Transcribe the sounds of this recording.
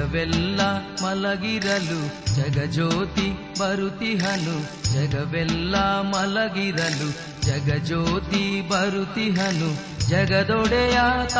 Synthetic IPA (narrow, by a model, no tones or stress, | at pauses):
ɐʋɛlːɐmɐlɐɡiɾɐlud͡ʒɐɡɐd͡ʒoːt̪i | bɐɾut̪iɦɐnu | d͡ʒɐɡɐʋɛlːɐmɐlɐɡiɾɐlu | d͡ʒɐɡɐd͡ʒoːt̪ibɐɾut̪iɦɐnu | d͡ʒɐɡɐd̪ɔɽɛjat̪